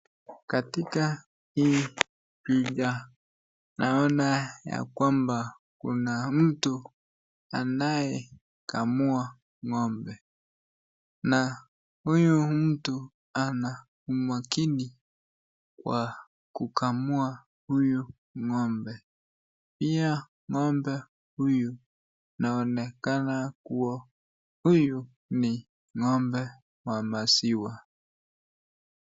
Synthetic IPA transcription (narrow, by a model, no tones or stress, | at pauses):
katika | hii | piʄa | naɔnaja̰kwamba | kṵnam̩tu | anajɛ | kamua | ŋɔmbɛ | na | hujum̩tu | ana | umwakini | kwa | kukamua | huju | ŋɔmbɛ | pia | ŋɔmbɛ | huju | naɔnɛkanakuwa | huju | ni | ŋɔmbɛ | wamasiwa